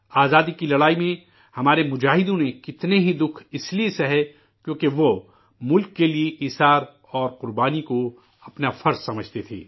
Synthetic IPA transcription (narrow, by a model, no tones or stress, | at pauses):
aːzaːd̪ikilɐɽaːimẽ | hɐmaːɾemʊd͡ʒaːɦɪd̪õnekɪt̪neɦid̪ʊkʰɪsliesɐɦɛ | kjõːkeʋo | mʊlkːelieʔiːsaːɾ | ɔːɾqʊɾbaːniko | ɐpnafɐɾzsɐməd͡ʒʱt̪et̪ʰḛː